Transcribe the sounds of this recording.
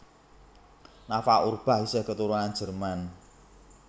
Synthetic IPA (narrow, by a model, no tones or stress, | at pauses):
nafaurb̥a̤hisəhkət̪uɾunan̥d͡ʒ̥ə̤rman